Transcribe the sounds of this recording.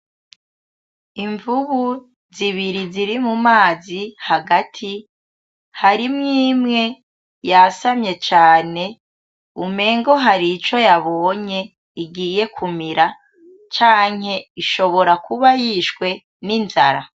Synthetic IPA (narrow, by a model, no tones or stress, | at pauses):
iɱvuβu | ziβiɾiziɾimumaːzihaɡatʰi | haɾimŋiːmŋe̞ | jasamɲe̞t͡ʃaːne̞ | ume̞ːŋɡo̞ɦaɾit͡ʃo̞jaβo̞ːɲe̞ | iɡiːje̞kʰumiɾa | t͡ʃaːŋhe̞iʃo̞βo̞ɾakuβajiʃkwe̞ | ninza̰ɾa̰